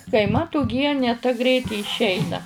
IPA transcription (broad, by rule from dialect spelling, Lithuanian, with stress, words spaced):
kɐɪ ˈmɐt ʊˈɡʲiɛnʲeː tɐ ˈɡrʲɛɪt ɪ ɪʃʲˈɛɪnɐ